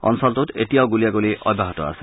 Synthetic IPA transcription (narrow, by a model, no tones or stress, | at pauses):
ɔ̰nsɔlt̪utḛtiawɡulijaɡoliʔɔ̰bʱaɦɔt̪ɔa̰se